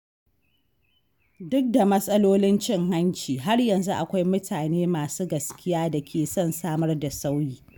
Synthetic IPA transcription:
dʊ˦k̚da˨mɐ˦sʼɐ˦loː˦lɪ˦nt͡ʃɪ˦ŋɦa˦nt͡ʃiː˨ɦa˦rjɐ˨nzu˦ʔa˨kʷa˦jmʊ˦tʰaː˨neː˦maː˨suː˦ɡɐ˨skʲɪ˦jaː˦da˨kʲʰeː˨sɔ˦˨nsaː˦mɐ˦rda˨sa˦wjiː˦

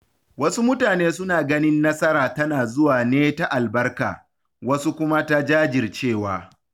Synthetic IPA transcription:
wɐ˦su˦mʊ˦taː˨neː˦sʊ˦naː˨ɡɐ˦nɪ˦nːɐ˦sɐ˦ɾaː˨tɐ˦naː˨zʊ˦waː˨neː˦ta˨ʔa˨lbɐ˦rka̰ː˨ | wɐ˦su˦kʷʊ˦ma˦ta˦d͡ʒaː˦d͡ʒɪ˨rt͡ʃeː˦˨waː˨

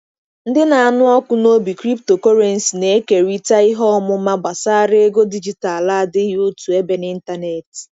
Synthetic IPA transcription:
n̩˦dɪ˦na˨a˨nʊ˦ɔ˦kʷʊ˦no˦bi˨kɾi˦pto˨ko˦ɾe˨n̩˨si˨ne˨˦ke˨ɾi˦ta˦i˦ɦɔ˦ɔ˦mʊ˦ma˦ba˨sa˦ɾe˦ɡo˦di˦d͡ʒi˨ta˨la˦˨dɪ˦o˦tu˨e˦be˦ni˦n̩˦ta˦ne˨t

